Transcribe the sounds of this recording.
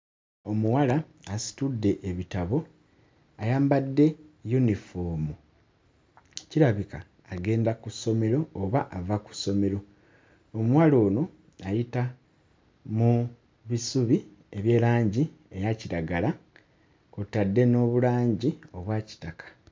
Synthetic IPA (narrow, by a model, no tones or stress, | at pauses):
o̞muwalaː | si̥tudːe̞ʔeβitaβo̞ | ajaːmbadːe̞junifo̞ːmu | ciɾaβikaː | ɡe̞ːndakuso̞me̞ɾo̞ːβaʔavaku̥sːo̞me̞ɾo̞ | omuwalo̞ːno̞ | ajita | mu | βisuβi | eβje̞ːlaːɲɟi | e̞jaciɾaɡala | kotːadːe̞no̞ːβulaːɲɟio̞βwaːci̥takʰḁ